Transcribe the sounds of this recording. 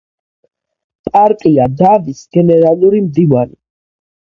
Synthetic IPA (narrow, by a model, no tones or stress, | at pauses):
pʼaɾkʼiad̪avisɡ̥ɛnɛɾalˠuɾimd̪ivanḭ